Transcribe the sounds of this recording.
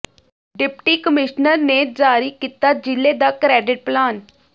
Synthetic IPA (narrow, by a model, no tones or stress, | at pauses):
ɖɪpʈiːkəmɪʃnəɾneːd͡ʒaːɾiːkiːt̪aːd͡ʒɪlːeːd̪aːkɾɛːɖɪʈ̚plaːn